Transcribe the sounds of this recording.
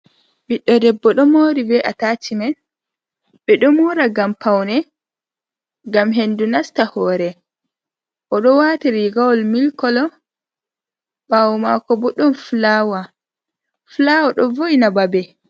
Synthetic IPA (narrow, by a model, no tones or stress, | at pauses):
biɗːɔdɛbːɔɗɔmoɾibɛʔataːtimɛn | ɓɛɗɔmɔɾaɡampʰawnɛ | ɡamɦendunastahɔːɾɛ | ʔɔɗɔwatiɾiɡawɔlmilkɔlɔ | bawmakɔbɔɗɔnflawa | flawaɗɔvoinababɛ